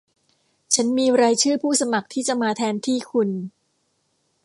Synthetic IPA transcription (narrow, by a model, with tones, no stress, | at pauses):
t͡ɕʰa˦˥nmiː˧ɾaː˧jt͡ɕʰɯː˥˩pʰuː˥˩sa˧ma˨˩k̚t̪ʰiː˥˩t͡ɕa˨˩maː˧t̪ʰɛː˧nt̪ʰiː˥˩kʰu˧n